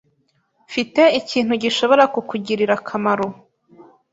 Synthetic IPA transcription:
fite̞iciːn̥huɟiʃo̞βo̞ɾakukuɟiɾiɾakʰamaɾo

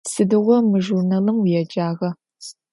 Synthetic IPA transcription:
sɨdɨʁʷɔmɨʒurnɐlɨmwjɛd͡ʒaːʁɐ

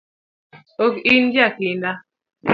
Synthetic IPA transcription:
okind͡ʒaklinda

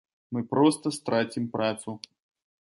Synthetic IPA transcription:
mɨpɾɔst̪ɐst̪ɾat͡sʲimpɾʔat̪su

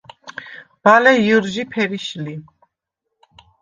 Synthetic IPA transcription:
b̥alɛjuɾʒipʰɛɾiʃli

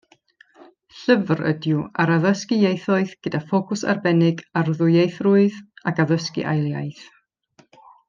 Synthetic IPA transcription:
ɬəvrə̰djʊaɾaðəskɪjejθɔɨðɡ̥ədafokʰʊsa̰rbɛnɪɡarðʊjejθrʊɨðakaðəskḭʔa̰jlˠja̰jθ

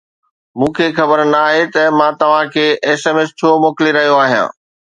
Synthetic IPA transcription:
mũːkʰeːxɐbəɾnaːɦet̪ɐmãt̪ɐʋ̤ãkʰeːʔeːseːmest͡ɕʰoːmoːkliɾɐɦijoaːɦijã̰ː

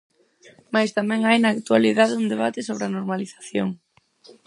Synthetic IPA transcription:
majst̪amɛ̃ŋajnaːkt̪ualiðaðeund̪eβ̞at̪ɪsoβ̞ɾɪanoɾmaliθḁθjoŋ

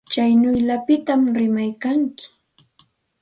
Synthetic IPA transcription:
t͡ʃajnʊjʎapɪt̪amɾɪmajkaŋkɪ̥

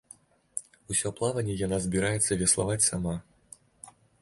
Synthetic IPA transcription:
usʲɔplˠavɐnʲːɛjanazʲbʲiɾajɛt̪sːɐvʲɛslˠa̰vat͡sʲsama

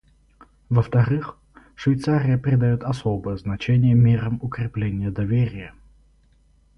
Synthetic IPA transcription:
vəft̪ɐɾɨx | ʂvʲɪjt̪saɾʲɪjəpɾʲɪd̪ɐjot̪ɐsobəjəznɐt͡ɕenʲɪjəmʲeɾəmʊkɾʲɪplʲenʲɪjəd̪ɐvʲeɾʲɪjə

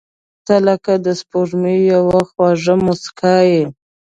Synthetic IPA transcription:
t̪alakad̪əspoʐmijawaxwɑʐəmoskʰɑje

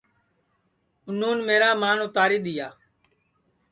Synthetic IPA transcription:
ʊnuːnmeːɾaːmaːnõːt̪aːɾiːɗ̪ɪjaː

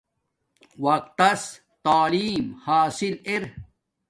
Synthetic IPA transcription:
wɐk̚t̪ɐs | t̪aːliːmhaːsileɾ

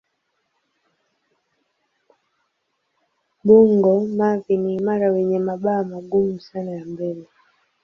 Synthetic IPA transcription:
ɓuŋɡɔmaviniːmaɾawɛɲɛmaɓaːmaɡumusanajambɛlɛ

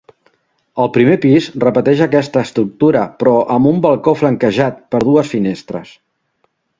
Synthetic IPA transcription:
əlˠpɾimepizrəpət̪ɛʃəkɛst̪əːst̪ɾuk̚t̪uɾəpɾɔʔəmbumbəlˠkofləŋkəʒat̪pəɾð̞uəsfinest̪ɾə̰s

